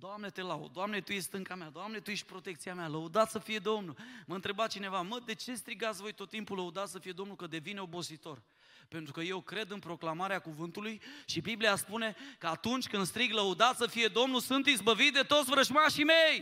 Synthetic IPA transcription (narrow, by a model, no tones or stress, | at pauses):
d̪̥oamne̞t̪e̞lao̰d̪oamne̞t̪uje̞sʲt̪ɨŋkamead̪oamne̞t̪uje̞ʃt̪̚ʲpɾo̞t̪ekt̪sijamaləud̪at̪səfije̞d̪o̞mnulməɨnt̪ɾe̞bat̪t͡ʃine̞vaməd̪e̞t͡ʃe̞st̪ɾiɡat̪sʲvo̞jt̪o̞t̪ːimpuləud̪at̪səfije̞d̪o̞mnulkəd̪e̞vine̞o̞bo̞sit̪o̞r | pe̞nt̪ɾukəje̞wkɾe̞d̪ɨnpɾo̞klamaɾeakuvɨnt̪ulujʃibiblijaspune̞kəat̪unt͡ʃʲkɨnd̪st̪ɾiɡləud̪at̪səfije̞d̪o̞mnusɨnt̪izbəvit̪d̪e̞t̪o̞t̪sʲvɾəʒmaʃimej